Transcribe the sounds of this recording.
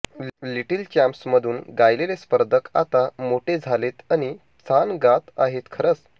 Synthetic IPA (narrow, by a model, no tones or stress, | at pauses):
liʈilt͡ɕãmpsməd̪ʱuːnɡajlelespəɾd̪ʱəka̰t̪amoʈʰed͡zʱalet̪aɽ̃i | t͡sanɡat̪a̰ɦet̪kʰəɾət͡s